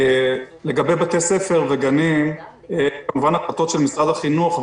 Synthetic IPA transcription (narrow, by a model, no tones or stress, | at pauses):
leɡabe̞jbat̪ese̞feʁveɡanim | ekamuvanatlat̪o̞t̪ʃelmisʁad̪aχinuχ